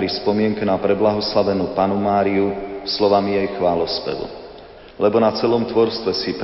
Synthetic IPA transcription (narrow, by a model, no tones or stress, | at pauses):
ɾispɔmɪɛŋkɛnapɾɛblaɦɔslaʋɛnuːpanumaːɾiuslɔʋamijɛjxʋaːlɔspɛ̰ʋṵ | lɛbɔnat͡sɛlɔmt̪ʋɔɾst̪ʋɛsip